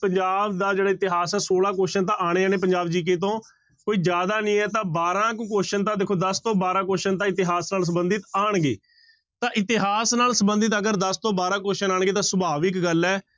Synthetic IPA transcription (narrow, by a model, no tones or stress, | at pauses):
pəɲd͡ʒaːbd̪aːd͡ʒeːɽaːɪt̪ɪɦaːsɛːsoːlãːk̬oːʃənt̪ãːʔaːɽ̃eːaːneːp̬əɲd͡ʒaːbd͡ʒiːk̬eːt̪̬õː | koːiːd͡ʒjaːd̪aːnĩːɛːt̪ãːbaːɾãːkkoːʃənt̪ãːd̪ɪːkʰoːd̪əst̪õːbaːɾãːkoːʃənt̪ãːɪt̪ɪɦaːsnaːls̬əbənd̪ɪt̪aːɳɡḛː | t̪ãːʔɪt̪ɪɦaːsnaːlsəbənd̪ət̪əɡəɾd̪əst̪õːbaːɾãːkoːʃənaːɳɡeːt̪ãːsəbaːʋɪkɡəlɛː